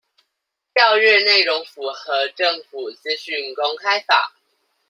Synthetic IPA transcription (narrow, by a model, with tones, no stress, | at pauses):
t̪jɑ˥˧ʊɥɛ˥˧ne˥˩ɪɻo˧˦ŋfu˨˩xɤ˨˦ʈ͡ʂə˥˨ŋfu˨˩t͡ɕ̩˥˧ɕy˥˨˩nko˦ŋkʰa˥ɪfa̰˨˩˦